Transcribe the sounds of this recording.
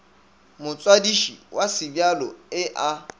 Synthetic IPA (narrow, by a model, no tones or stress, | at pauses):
mʊt͡sʼwadiʃiwasɪbjalɔɪʔa